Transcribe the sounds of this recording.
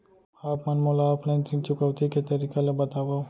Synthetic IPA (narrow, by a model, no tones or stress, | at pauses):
aːpmɐnmolaːplat̪ʰint͡ʃʊkəwt̪iket̪ɐɾiːkelebɐt̪aːba